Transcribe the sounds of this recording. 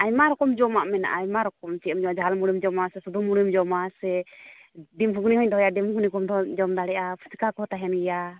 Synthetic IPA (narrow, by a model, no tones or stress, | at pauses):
ajmaɾɔkɔmd͡ʒɔmaʔmɛna̰ʔajmaɾɔk̚ɔmt͡ʃiɔmd͡ʒɔmad͡ʒaalmuɽimd͡ʒɔmasɛsud̪ʱumuɽimd͡ʒɔmasɛ | ɖimɦuɡnihɔɲd̪ɔɦɔjaɖimhuɡnikɔmd̪ɔd͡ʒɔmd̪aɽɛʔapʰu̥si̥kakɔt̪aɦɛnɡɛja